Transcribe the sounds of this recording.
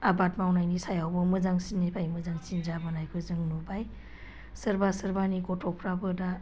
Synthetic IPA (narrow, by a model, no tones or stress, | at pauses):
abatmawnajnisajawbɔmɯzaŋsinːibʰajmɯzaŋsind͡ʒabɯnajkʰɯzɯŋnubaj | səɾbasəɾbaniɡɔtʰɔpʰɾabɯda